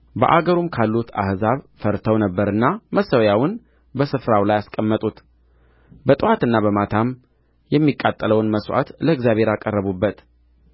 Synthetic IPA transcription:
bə̰ʔaɡəɾumkʰalːut̪ʰa̰hzaβ | fəɾt̪ʰəwnəbːəɾɨnːaməsəwjawʊn | bəsɨfɾawlajaskʼəmːət̪ʼut̪ | bət̪ʼɨwat̪ɨnːaβəmat̪ʰam | jɛmːikʼːat̪ʼːələwnməswʔa̰t̪ləɨɡzjaβheɾakʼərːəβubːət̪

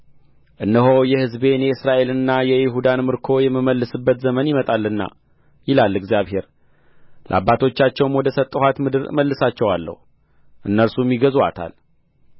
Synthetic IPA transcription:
ʔɨnːəɦojɛhɨzbe̞njɛɨsɾaʔe̞lɨnːajɛjɪɦud̪anmɨɾkʰo̞jɛmːɨməlːɨsɨbːət̪zəmənjɪmət̪ʼalːɨnːa̰ | jɪlalːɨɡzijaβhe̞ɾ | lʔa̰bːat̪ʰo̞t͡ʃːat͡ʃːɛwnwɔd̪əsət̪ʼːəhat̪mɨd̪ɨɾməlːɨsat͡ʃːɛwalːə̰hu | ʔɨnːəɾsumjiɡəza̰t̪ʰa̰l

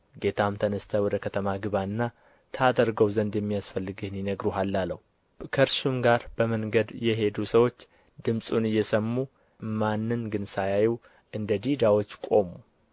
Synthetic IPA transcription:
ɡe̞t̪ʰamt̪ʰənəst̪ʰəwɔd̪əkʰət̪ʰəmaɡɨβaɨnːa | t̪ʰad̪əɾɡəwzənd̪jɛmːijasfəlːɨɡɨhnjinəɡɾuɦalːalːəhu | kʰəɾʃumɡaɾb̥əməŋɡəd̪jɛɦe̞d̪usəwo̞t͡ʃː | d̪ɨmsʼunɨjːɛsəmːu | manːɨnɡɨnsajajɛw | ʔɨnd̪əd̪id̪awo̞t͡ʃːkʼo̞mu

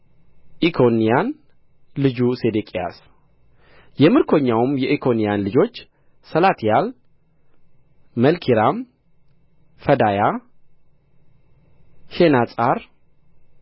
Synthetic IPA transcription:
ʔikʰo̞nijan | lɨd͡ʒuse̞d̪ekʼija̰s | jɛmɨɾkʰo̞ɲːawmjɛʔikʰo̞nijanlɨd͡ʒo̞t͡ʃː | səlat̪ʰijal | məlkʰiɾam | fəd̪aja | ʃenasʼaɾ

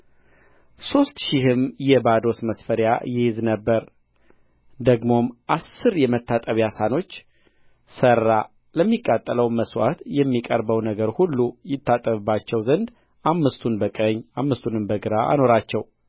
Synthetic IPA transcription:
so̞st̪ʃɪhɨmjɛbad̪o̞sməsfəɾja̰jɛɪznəbːəɾ | d̪əɡmo̞mʔasːɨɾjɛmət̪ʰːat̪ʼəβjasano̞t͡ʃː | sərːa | ləmːikʼːat̪ʼːələwməswa̰t̪jɛmːikʼəɾbəwnəɡəɾhulːujɪt̪ʰːat̪ʼːəβɨbːat͡ʃːɛwzənd̪ | ʔamːɨst̪ʰunbəkʼəɲːʔamːɨst̪ʰunɨmbəɡɨɾaa̰no̞ɾat͡ʃːɛw

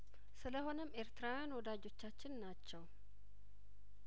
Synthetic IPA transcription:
sɨləho̞nəmeɾt̪ɨɾajanwɔd̪ad͡ʒo̞t͡ʃːat͡ʃːɪnːat͡ʃːɛw

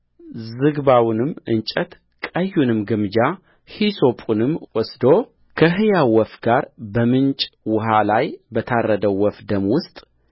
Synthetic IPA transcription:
zɨɡbawnɨmʔɨnt͡ʃʼət̪ | kʼəjːunɨmɡɨmd͡ʒa | hiso̞pʼunɨmwɔsd̪o | kʰəɦɨjawɔfɡaɾbəmɨnt͡ʃʼwʊɦalajbət̪ʰarːəd̪əwːɔfd̪əmwʊst̪ʼ

